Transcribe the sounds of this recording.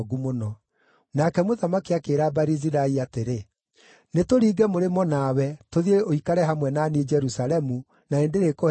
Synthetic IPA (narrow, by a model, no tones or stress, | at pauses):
ɡumonɔ | nakɛmoðamakiakeːɾabaɾiziɾaiateɾe | netoɾiːɡɛmoɾemɔnawɛtoðieoikaɾɛɦamwɛnaned͡ʒɛɾusalɛmu | naendeɾeko